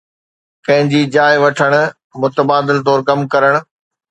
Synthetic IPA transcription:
kɐ̃ɦɪ̃ɲd͡ʑiːd͡ʑaːɪʋɐʈʰəɽ̃ʊ̆ | mʊt̪əbaːd̪ɪlt̪̬ɔːɾkɐmkɐɾəɽ̃ʊ̆

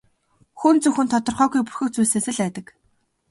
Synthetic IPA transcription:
xunt͡sɵxɘ̆nt̪ʰɔt̪ɞ̆rχœːɣujpurxɵ̆k̚t͡sujseːsɘ̆ɮæːt̪ə̆k

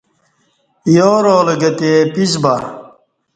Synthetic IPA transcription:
joːɾoːleɡɐt̪eːpisbɐ

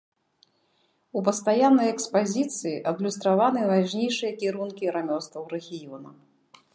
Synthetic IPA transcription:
up̬ɐst̪ajanːɐjɛkspazʲit̪sɨjiʔɐd̪lʲust̪ɾavanɨvaʑnʲejʂɨjɐkʲiɾunkʲiɾamʲɔst̪vɐwɾɛɣʲijɔnɐ̰

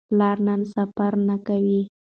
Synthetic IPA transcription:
laɾnansapaɾnakawi

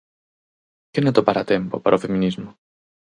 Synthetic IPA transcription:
cenɐt̪opɐɾɐt̪e̞mpo̰pɐ̰ɾofe̞minizmo

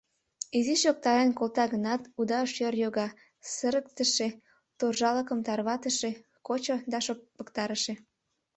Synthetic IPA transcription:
iziʃjok̚t̪ɑɾenkolt̪ɑɣənɑt̪ud̪ɑʃjørjoɣɑ | səɾək̚t̪ə̆ʃe | t̪orʒɑlə̆kə̆mt̪ɑrβɑt̪əʃe | kot͡ɕod̪ɑʃoppːə̆kt̪ɑɾəʃĕ

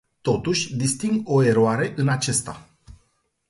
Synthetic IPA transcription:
t̪o̞t̪uʃʲd̪ist̪iŋɡo̞e̞ɾoaɾe̞ʔɨnat͡ʃe̞st̪a

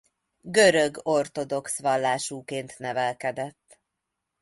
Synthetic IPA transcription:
ɡøɾøɡo̞rt̪o̞d̪o̞ksʋɒlːaːʃuːkeːnt̪nɛvɛlkɛd̪ɛt̪ː

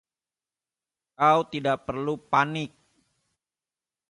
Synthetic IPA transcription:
kawt̪idaʔpərlupanɪk̚

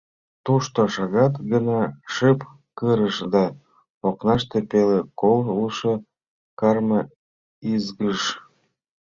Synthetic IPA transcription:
t̪uʃt̪oʃɑɣɑt̪ɡənɑʃɨp | kəɾəʃd̪ɑ | oknɑʃt̪epelekoluʃo | kɑrmə | izɣəʃ

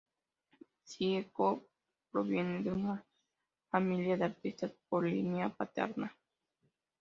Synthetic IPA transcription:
t͡ʃieko | pɾoβje̞ned̪euna | familjaðeaɾt̪ist̪aspolḭmjapat̪ḛɾna

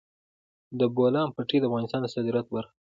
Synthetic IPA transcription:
d̪əbolɑmpaʈed̪əafɣɑnɪst̪ɑnd̪əsɑd̪iɾat̪̚baɾx

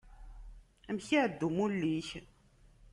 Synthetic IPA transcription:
æmçiʕəd̪ːumulːiç

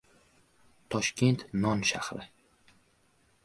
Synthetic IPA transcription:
t̪ʰɒʃkʲe̞nt̪nɒnʃa̰hɾɪ

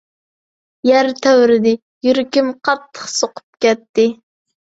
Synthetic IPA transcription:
jæɾt̪ʰæwɾɪd̪ɪ | jyɾɪkʲimqʰɑt̪ʰːə̥χsoqʰʊ̥p̚kʲɛt̪ːɪ

